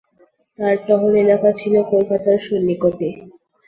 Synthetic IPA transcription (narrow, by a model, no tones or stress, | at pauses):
t̪aɾʈɔɦoɾelakat͡ɕʰilokolkat̪aɾʃonːikot̪e